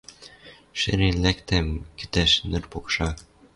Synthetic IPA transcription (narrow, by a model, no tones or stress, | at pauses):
ʃɘ̰ɾelækt̪æmkɘ̥t̪æʃnɘ̆rpokʃɑ